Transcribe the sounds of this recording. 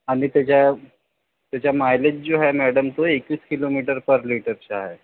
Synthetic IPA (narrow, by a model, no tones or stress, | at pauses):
aɽ̃it̪jat͡ɕja | t̪jat͡ɕjamajlet̪̚d͡zoɦɛmɛɽəmt̪oekiːskilomiʈəɾpəɾliʈəɾt͡ɕaɦe